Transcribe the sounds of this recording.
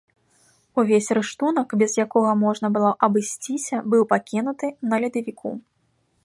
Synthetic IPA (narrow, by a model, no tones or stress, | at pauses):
uvʲesʲrɨʂt̪unɐkbʲɛzjakɔɣɐmɔʐnɐbɨlˠɔʔɐbɨsʲt͡sʲisʲɐbɨwpakʲin̪ut̪ɨnɐlʲid̪ɐvʲikʰṵ